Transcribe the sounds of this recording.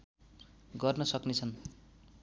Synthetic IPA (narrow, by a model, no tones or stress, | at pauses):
ɡʌrnʌsʌknet͡sʰʌn